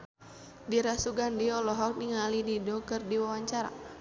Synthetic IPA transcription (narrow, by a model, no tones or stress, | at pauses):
diɾasuɡandiɔlɔɦɔk̚niŋalididɔkɨrdiwawaɲt͡ʃaɾa̰